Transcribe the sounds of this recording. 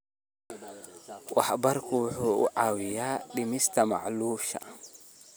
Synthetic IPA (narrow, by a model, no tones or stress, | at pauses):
wʔaħbaɾkuːħuṵʔawijaːɗimistama̰ʕʔluːʃa̰